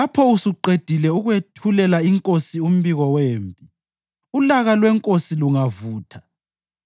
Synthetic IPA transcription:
apʰɔusuǃed̥ʱilɛuɣwetʰulɛlaiŋkʼosium̩βiɣɔweːmpʼi | ulaɣalwɛŋkʼosiluŋavuːtʰḁ

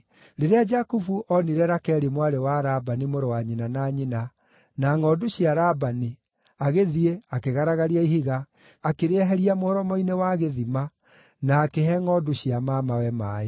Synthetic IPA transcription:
ɾeɾead͡ʒakufuʔɔniɾɛɾakɛɾimwaɾewaɾabanimoɾowaɲinanaɲina | naŋɔduɕiaɾabani | aɣeðieakeɣaɾaɣaɾiaiɦiɣaː | keɾeɛɦɛɾiamohɔɾɔmɔinewaɣeðima | naːkeɦɛŋɔduɕiamamawɛmaːe

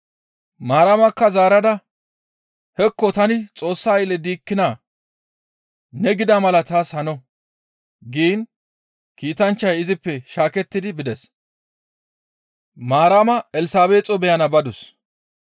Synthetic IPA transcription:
maːɾaːmɐkːɐzaːɾɐd̪ɐ | hɛkːɔt̪ɐnɪt͡sʼo̞ːsːajɪlɛd̪iːkːɪnaː | nɛɡɪd̪ɐmɐlɐt̪aːshɐnɔ | ɡiːn | kiːt̪ɐnt͡ʃːɐjɪzɪpːɛʃaːkɛt̪ːɪd̪ɪbɪd̪ɛs | maːɾaːmɐɛlɪsaːbeːt͡sʼɔbɛjɐnɐbɐd̪ʊs

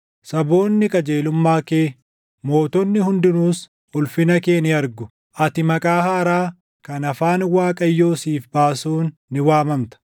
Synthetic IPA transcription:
sɐbo̞ːnːɪkʼɐd͡ʒe̞ːlʊmːaːkeː | mo̞ːt̪ɔnːɪhʊnd̪ɪnuːs | ʊlfɪnɐke̞ːnɪɐɾɡʊ | ʔɐt̪ɪmɐkʼaːhaːɾaː | kɐnɐfaːnwaːkʼɐjːo̞ːsiːfbaːsuːnːɪwaːmɐmt̪ɐ̥

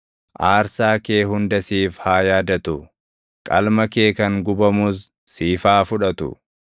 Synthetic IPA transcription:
ʔaːɾsaːkeːɦʊnd̪ɐsiːfhaːjaːd̪ɐt̪ʊ | kʼɐ̰lmɐke̞ːkɐŋɡʊbɐmuːs̬ː | iːfaːfʊᶑɐt̪ʊ̰

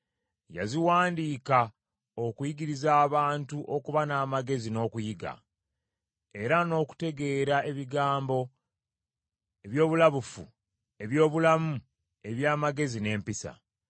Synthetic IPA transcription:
ja̰ziwaːndiːka | okujiɡiɾizaːβaːntuʔo̞kuβanaːmaɡe̞zino̞ːkujiɡa̰ | e̞ɾano̞ːku̥te̞ɡe̞ːɾaʔe̞βiɡaːmbo̞ | e̞βjo̞ːβulaβufu | e̞βjo̞ːβulamu | e̞βjaːmaɡe̞zine̞ːmpisa̰

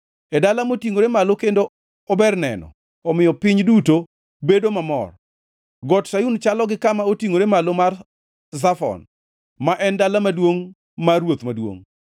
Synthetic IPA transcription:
edalamotiŋoɾemalokendo | ɔbɛrnɛ̰nɔ̰ | ɔmɪjɔpɪɲduto | bedomamɔ̰r | ɡɔtʃajunt͡ʃalɔɡɪkamaotiŋoɾemalomar | zafɔ̰n | maʔɛndalamadwoŋ | marwot̪madwo̰ŋ

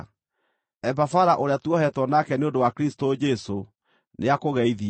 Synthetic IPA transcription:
ɛbafaɾaʔoɾeatuɔhɛtwɔnakɛneondowakɾistod͡ʒɛso | neakoɣɛiði

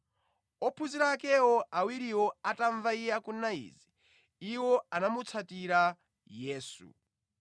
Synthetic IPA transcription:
ɔpʰuziɾaːkɛwɔʔawiɾiwɔataɱvaijɛakunaḭːzi | iwɔanamut͡sʰatiɾa | jɛːsṵ

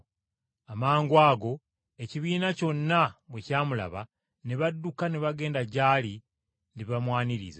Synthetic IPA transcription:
amaːŋɡwaːɡo̞ | e̞ciβiːnaco̞nːaβwecaːmula̰βa | neβadːukaneβaɡe̞ːndaɟaːli | ndiβamwaːniɾḭza

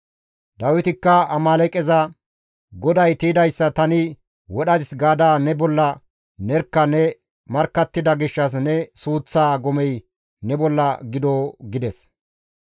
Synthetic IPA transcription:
d̪ɐwɪt̪ɪkːɐɐmaːlɛkʼɛzɐ | ɡɔd̪ɐjt̪iːd̪ɐjsːɐt̪ɐnɪ | wɔɗɐd̪ɪsɡaːd̪aːnɛbɔlːɐ | nɛɾkːɐnɛ | mɐɾkːɐt̪ːɪd̪ɐɡɪʃːɐs̬nɛsuːt͡sːaːɡɔmɛj | nɛbɔlːɐɡɪd̪oːɡɪd̪ɛs

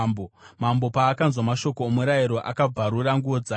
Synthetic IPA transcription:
bomambo̞paːkanzwamaʃo̞koːmuɾajiɾo̞ʔa̰kab͡vaɾuɾaŋɡuʋod͡za

